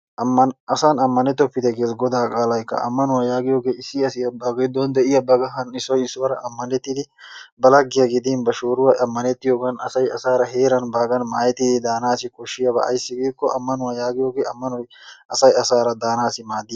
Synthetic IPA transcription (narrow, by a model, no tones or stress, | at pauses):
ʔɐmːɐnɐsanɐmːɐnɛt̪ɔpːɪd̪ɛɡeːsɡɔd̪aːkʼaːlɐjkːɐ̰ʔɐ̰mːɐnʊwɐjaːɡɪjoːɡeːɪsːɪɐsɪjɐbɐɡɐd̪ɔnd̪ɛʔɪjɐbɐɡɐɦɐnɪsɔjɪsːʊwɐɾɐʔɐmːɐnɛt̪ːɪd̪ɪ | bɐlɐɡːɪjɐɡɪd̪inbɐʃoːɾʊwɐɐmːɐnɛt̪ːɪjoːɡɐnɐsɐjɐsaːɾɐɦe̞ːɾɐnbaːɡɐnmaːjɛt̪ːɪd̪ɪd̪aːnaːsɪkɔʃːɪjɐbɐ̰ɐ̰jsːɪɡiːkːɔʔɐmːɐnʊwajaːɡɪjoːɡeːɐmːɐnɔj | ɐsɐjɐsaːɾɐd̪aːnaːsɪmaːd̪ːɪ